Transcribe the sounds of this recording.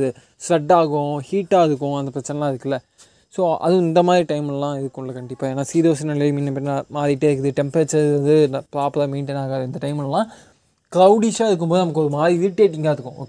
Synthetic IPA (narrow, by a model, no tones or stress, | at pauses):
ðɯ | sɾɐɖːaːɣʊ̃hiːʈːaːɪðɯkːʊ̃ɐnd̪ɐpɾɐt͡ʃːɛnɛlãːɪɾɯkːɐlːɐ | soːɐ̰ðɯ̃ɪnd̪ɐmaːðɾiʈɐɪmllãːɪðɯkːʊ̃ɳlɐkɐɳɖɪpːaːeːnːaːsiːðoːsɪnɐlɐmiːnːɐmpɐɾɪnaːmaːðɾɪʈːeːɾɯkːɯðɯʈɛmpɾɐt͡ʃːɐɾɐnd̪ɯnpɾaːplɐmeːnʈɪnaːɣɐðɯɪnd̪ɐʈɐɪmɪllːãː | klɐʊɽiʂaːɪɾɯkːɯmboːðɯnɐmɐkːɯɔɾɯmaːðɾiʋɪʈːeːʈ̬ːɪŋɡaːɪɾɯkːʊ̃o̰ːkː